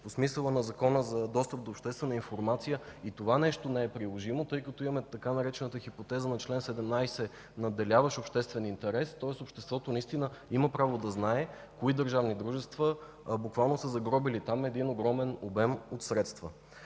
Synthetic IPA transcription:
posmisəlˠənɐzɐkɔnəzɐd̪ɔst̪əp̚d̪oːpʃt̪ɛst̪vɛnəinfoɾmat̪sijəit̪ovanɛʃt̪onɛɛpɾilˠoʒimot̪ɤjkɐt̪oimɐmɛt̪ɐkanɐɾɛt͡ʃɛnət̪əxipot̪ɛzənɐt͡ʃlɛnsɛd̪ɛmnajsɛ | nɐd̪ɛlʲavəʃopʃt̪ɛst̪vɛnint̪ɛɾɛst̪ɔɛsopʃt̪ɛst̪vɔt̪onɐist̪inəiməpɾavod̪ɐznaɛ | koid̪əɾʒavnid̪ɾuʒɛst̪və | bukvalˠnosəzɐɡɾɔbilit̪amɛd̪inoɡɾɔmɛnobɛmot̪sɾɛt̪st̪və

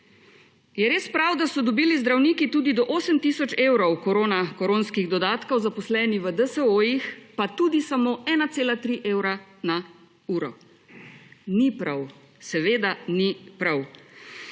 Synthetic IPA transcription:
jɛɾeːspɾawd̪asɔd̪ɔbiːlizd̪ɾawniːkit̪uːd̪id̪ɔʔoːsəmt̪iːsɔt͡ʃeːwɾɔwkɔɾoːnakɔɾoːnskiɣd̪ɔd̪aːt̪kɔwzapɔslɛːniʋəd̪əsəojixpat̪uːd̪isamoːʔɛːnat̪seːlat̪ɾiʔeːwɾana | uːɾɔ | nipɾaw | sɛʋeːd̪anipɾaw

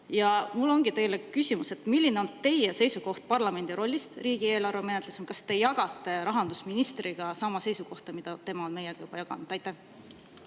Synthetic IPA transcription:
jɑmulːo̞ŋɡit̪e̞jlekːysʲimuse̞t̪ːˑmilːineo̞nt̪e̞jese̞jsuko̞ht̪̚pɑrlɑme̞nd̪iɾo̞lʲːist̪riːɡ̥ie̞ːlɑrveme̞net̪lusmkɑst̪e̞jɑɡ̥ɑt̪ˑːe̞ɾɑɦɑnd̪usminist̪riɡ̥ɑsɑmɑse̞jsuko̞ht̪ɑmid̪̥ɑt̪e̞mɑonme̞jeɡ̥ɑjub̥ɑjɑɡ̥ɑ̰nud̪̥ɑjt̪ːˑæh

